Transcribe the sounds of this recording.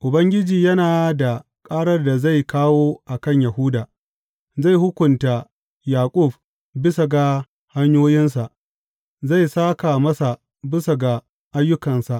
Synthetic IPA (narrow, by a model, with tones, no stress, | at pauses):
ʔʊ˨bɐ˦ŋɡʲɪ˦d͡ʒiː˨jɐ˦naː˨da˨ | kʼaː˦ɽɐ˦rda˨za˦˨jkaː˦woː˦ʔa˨kɐ˦˨ɲja˨ɦʊ˦daː˨ | za˦˨jhʊ˦kʷʊ˨nta˨ | jaː˨kʷʼʊ˦˨ɸ | bɪ˦sa˨ɡa˨ | ha˦ɲjoː˦jɪ˦ns̬a˨ʔ | za˦˨jsaː˦ka˨mɐ˦sa˨ | bɪ˦sa˨ɡa˨ | ʔa˦jːʊ˦kɐ˨nsa˨ʔ